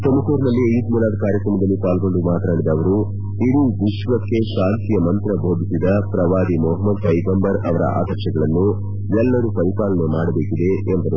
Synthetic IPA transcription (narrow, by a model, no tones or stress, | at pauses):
t̪omɐkoːɾnɐlːiid̪muːlaːd̪ɐkaːɾjɐkɾɐmɐd̪ɐlːipaːlɡo̞ɳɖumaːt̪naːɽid̪ɐːʋɐɾu | id̪uʋiʃʋɐkːe̞ʃaːnt̪ijɐmɐnt̪ɾɐbʱoːd̪ʱisid̪ɐpɾɐʋaːd̪imɔɦɐmːɐd̪pɐjɡɐmbɐɾɐʋɐɾɐ̰ʔa̰ːd̪ɐɾʃɐɡɐɭɐnːu | ɛlːɐɾukɐlipaːlɐnemaːɽɐbe̞ːkid̪e̞ʔːmb̪ɐɾu